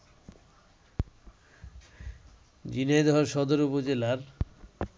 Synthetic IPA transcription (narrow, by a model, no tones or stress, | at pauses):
d͡ʑinejd̪ɔɦoɾʃɔd̪oɾupod͡ʑelaɾ